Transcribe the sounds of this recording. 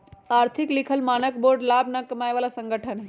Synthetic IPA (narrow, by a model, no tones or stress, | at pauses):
aːɾt̪ʰiklikʰəlmaːnək̚boɾɖlabnakəmaːjʋaːlasəŋɡʱəʈʰən